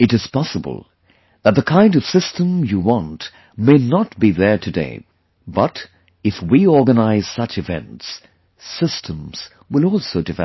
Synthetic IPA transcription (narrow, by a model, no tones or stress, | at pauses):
ɨɾɨz̥pɑsəbə̰l̩ˠ | ðət̪̚ðəkʰãɪ̃ndʌv̥sɪstə̃mjɨwɑ̃nt | meɪnət̚b̥iðə˞tʰɨdḛɪ | bʌɾ | ɨfwiɔɹɡənaɪz̥sʌt͡ʃɨvɛ̰̃nts | sɪstʰə̃mz̥ | wəlˠɔlˠsoʊdɨvɛ